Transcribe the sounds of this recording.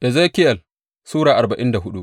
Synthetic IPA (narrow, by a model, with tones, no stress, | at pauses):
ʔɛ˨ze˦kʲɪ˦jɐ˨l | suː˦ɽaː˨ʔa˨rba˨ʔɪ˦nda˨ɦʊ˦ɗu˦ʔ